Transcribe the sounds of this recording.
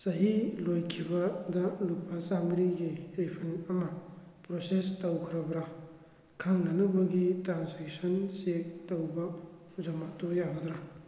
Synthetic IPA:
sɐɦilojkʰibɐdɐlupːɐsamiɾiɡiɾipʰɐnɐmɐpɾosestɐwkʰiɾɐbɾa | kʰaŋnɐnɐbɐɡitɾanzeksɔnsek̚tɐwbɐ | zɐmatojabɐd̪ɾa

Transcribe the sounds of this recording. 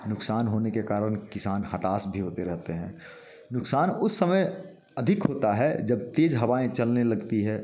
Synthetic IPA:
nʊksaːnɦoːnekekaːɾəɽ̃kɪsaːnhɐt̪aːsbʱiɦoːt̪eɾɛɦt̪eɦɛ̃ː | nʊksaːnʊsːɐməj | ɐd̪ʱɪkɦoːt̪aɦɛd͡ʒɐb̚t̪eːd͡ʒɦɐʋaːẽt͡ʃɐlnelɐɡt̪iɦɛː

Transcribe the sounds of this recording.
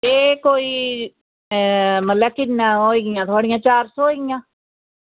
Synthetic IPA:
eːkoːiː | mət̪ləkɪnːãːɦoːiːɡɪjãːt̪ʰʊaːɽɪjãːt͡ʃaːɾsɔːɦoiɡɪjãː

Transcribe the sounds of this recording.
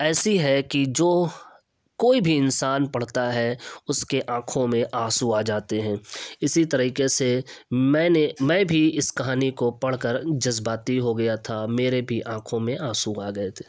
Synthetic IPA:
ɛːsiɦɛkid͡ʒoː | koːibʱiɪnsaːnpɐɽ̤t̪aɦɛʊskeʔãːkʰõmẽʔaːsuaːd͡ʒaːt̪eɦɛ̃ːɪsit̪ɐɾiːkesemɛ̃ːnemɛ̃ːbʱiɪskɐɦaːnikopɐɽ̤kəɾd͡ʒɐzbaːt̪iɦoɡɐjat̪ʰameːɾebʱiʔãːkʰõmẽaːsuaːɡɐet̪ʰe̥ː

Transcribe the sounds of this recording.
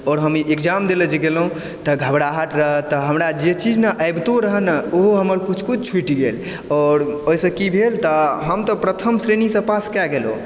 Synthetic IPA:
ɔɾɦəmiʔekd͡ʒamd̪eləd͡ʒeɡelɦũ | t̪ɔɡʱəbɽaɦat̪ɾəɦət̪ːɔɦəmɾad͡ʒet͡ʃid͡ʒnaʔəɪbt̪oɾəɦənəoɦoɦəməɾkut͡ʃʰkut͡ʃʰt͡ʃʰiʈiɡel | ɔɾoɦisə̃kibʱelt̪ɔɦəmt̪ɔpɾət̪ʰəmsɾenisə̃paskɛɡelo̰

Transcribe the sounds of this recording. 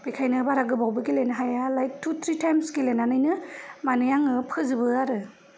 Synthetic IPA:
b̥ikʰajnɯbaɾaɡɯbawbɯɡilenɦajalajk̚tʰut̪ʰɾitajmsɡilenːanajnɯmanɯjaŋɯpʰɯzɯbɯaɾɯ

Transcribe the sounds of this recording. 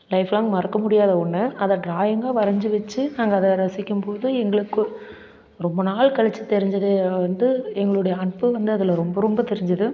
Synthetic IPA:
lɐɪflãːŋɡɐmɐɾɐkːɐmʊɽɪjaːðɐʊɳːɯɐðɐɖɾaːjɐŋɡaːʋɐɾɐɲd͡ʒɯʋɐt͡ʃːɯnaːŋɡɐːðɐɾɐsɪkʲːɯmpoːðɯɛŋɡɐɭɯkːɯ | ɾɔmbɐnaːɭkɐɭɐt͡ʃːɯt̪ɛɾɪɲd͡ʒɐðeʋɐnd̪ɯɛŋɡɐɭɯɽɐjɐːɳpːɯʋɐnd̪ɯɐðɐlɐɾɔmbɐɾɔmbɐt̪ɛɾɪɲd͡ʒɐðɯ

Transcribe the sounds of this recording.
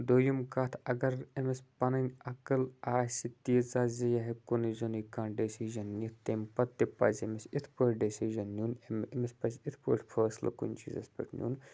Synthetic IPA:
d̪ojumkɐːt̪ʰɐɡɐɾemespɐnɐnʲɐkɨlaːsit̪iːzaːzijaɦikunizonikaːɳɖesiːʒɐnːit̪ʰt̪empɐt̪ːipɐzemesit̪ʰpoːʈɖesiʒɐnːʲunememespɐzʲit̪ʰpoːʈʰʲpʰɐːslɐ̰kṵnʲt͡ʃḭzɐ̰spḛʈʰnʲṵn

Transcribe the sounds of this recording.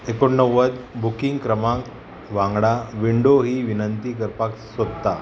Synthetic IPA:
ekoɳːəwːəd̪bukiŋɡkɾəmãŋk | ʋãŋɡɽaʋiɳɖoɦiːʋinənt̪iːkəɾpaksʋəd̪t̪a

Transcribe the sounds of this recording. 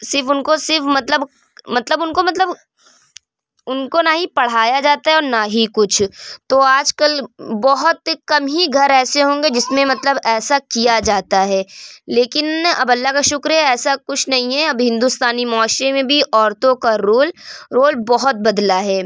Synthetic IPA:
sɪɾfʊnkosɪɾfmɐt̪ləb | mɐt̪ləbʊnkomɐt̪ləb | ʊnkonaɦĩpɐɽ̤aːjad͡ʒaːt̪aɦɛɔːɾnaɦikʊt͡ʃʰt̪oaːd͡ʒkəlbɔɦʊt̪kɐmɦiɡʱɐɾɛːseɦõːŋ̆ɡed͡ʒɪsmẽmɐt̪ləbɛːsakijad͡ʒaːt̪aɦɛːleːkɪnɐ̰bɐlːaɦkaʃʊkɾɦɛɛːsakʊt͡ʃʰnɐɦĩɦɛɐbɦɪ̃nd̪ust̪aːnimɔːʃẽmẽbʱiʔɔːɾt̪õkaɾoːlɾoːlbɔɦʊt̪̚bɐd̪laɦɛː

